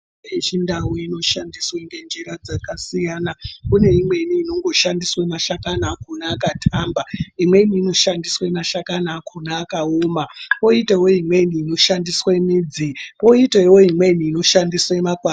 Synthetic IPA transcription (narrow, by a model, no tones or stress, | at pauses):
it͡ʃindawoino̞ʃandisweŋɡe̞nd͡ʒeɾad͡zakasijanakune̞imwe̞iniːno̞ŋɡo̞ʃandiswamaʃakanaːkonaːkatʰaːmbaimwe̞iniːno̞ʃandiswemaʃakanaːkʰonaːkaoːmapo̞itewoimwe̞iniːno̞ʃandiswamiːd͡zipo̞itewo̞imwe̞niːno̞ʃandiswaemaɡʱwa